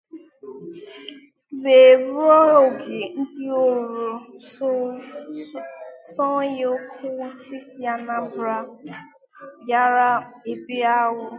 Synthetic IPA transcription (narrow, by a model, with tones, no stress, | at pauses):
be˨ɾɾɔ˦o˨ɡe˨n̩˦dɪ˦o˦ɾo˨ | sɔ˦jo˦kʰʊ˦si˦kja˦na˦bɾa˦ | ja˦ɾa˦e˦˨bi˦a˦ɣʊ˦